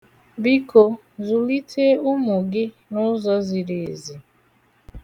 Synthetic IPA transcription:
bi˦ko˨ | zu˨li˦tʰe˦u˦mu˨ɡɪ˦ | nʊ˦zɔ˦zi˨ɾe˨zi˨

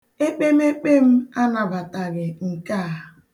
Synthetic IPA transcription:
e˦k͡pe˦m̩˦e˦k͡pe˦m̩˦a˦na˨ba˨ta˨ɣɪ˨ŋ̩˨ka˦˨

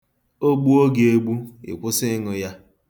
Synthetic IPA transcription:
o˦ɡ͡bu˦o˦ɡe˨e˦ɡ͡bu˦ɪ̰˨kʷʊ˦sɪ˦ŋʊ˨ja˦

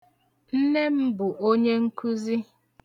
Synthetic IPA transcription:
n̩˦ne˦m̩˦bu˨ʔo˦ɲe˦ŋ̩˦ku˦zi˦

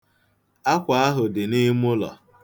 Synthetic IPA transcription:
a˦kʷa˨a˦ɦʊ˨dɪ˨ni˦mʊ˦lɔ̰˨

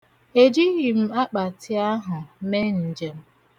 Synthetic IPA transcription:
e˨d͡ʒi˦ɣi˨m̩˦a˦k͡pa˨tʰɪ˦a˦ɦʊ˨˦me˦n̩˨d͡ʒe˦m̩˦

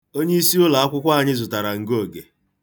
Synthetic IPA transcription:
o˦ɲe˦i˦si˦ʊ˦la˨a˦kʷʊ˦kʷa˦a˨ɲɪ˦zʊ˨ta˨ɾa˨ŋ̩˨ɡo˦˨ɡe˨

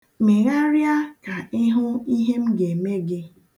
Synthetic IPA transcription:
me˨ɣa˦ɾja˦ka˨ɪ˦ɦʊ˦i˦ɦe˦m̩˦ɡe˨me˦ɡɪ˦

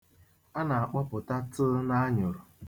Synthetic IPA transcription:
a˦na˨a˨k͡pɔ˦pʊ˨ta˦tʊ˦na˦ɲʊ˨ɾʊ˨

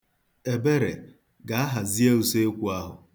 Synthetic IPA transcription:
e˨be˦ɾe˨ | ɡa˨a˦ɦa˨zi˦e˦u˨se˦e˦kʷu˨a˦ɦʊ̰˨

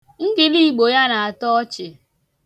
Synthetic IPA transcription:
ŋ̩˦ɡɪ˨li˦ɡ͡bo˨ja˦na˨a˨tɔ˦ɔ˦t͡ʃɪ˨

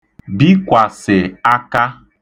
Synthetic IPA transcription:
bi˦kʷa˨sɪ˨a˦ka˦

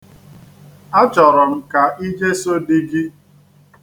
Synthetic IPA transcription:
a˦t͡ʃɔ˨ɾɔ˨m̩˦ka˨ʔi˦d͡ʒe˦so˦di˦ɡi˦

